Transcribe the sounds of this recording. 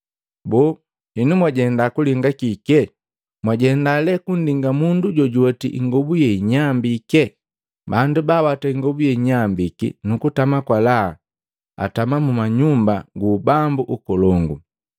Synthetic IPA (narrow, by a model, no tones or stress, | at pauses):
bɔ | hinumwaɟɛndakuliŋɡakikɛ | mwaɟɛndalɛkun̩diŋɡamunduɟɔɟuɔtḭʔḭŋɡɔbujɛiɲambikɛ | bandubaːwataiŋɡɔbujɛiɲambikḭnukutamakwala̰ | a̰tamamumaɲumbaɡuːbambuʔukɔlɔŋɡu